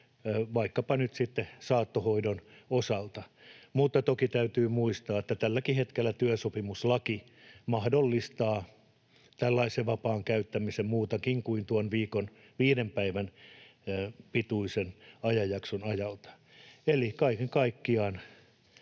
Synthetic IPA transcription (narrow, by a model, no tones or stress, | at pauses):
ʋɑikːɑpɑnyt̪sit̪ːesɑːt̪ːohoidonosɑlt̪ɑmut̪ːɑt̪okit̪æyt̪yːmuist̪ɑːet̪ːæt̪ælːækihet̪kelːæt̪yøsopimuslɑki | mɑhdolːist̪ɑː | t̪ælːɑiseʋɑpɑːŋkæyt̪ːæmisemmuːt̪ɑkiŋkuint̪uonʋiːkon | ʋiːdempæiʋæn | pit̪uisenɑjɑjɑksonɑjɑlt̪ɑ̥ | elikɑikeŋkɑikːiɑːn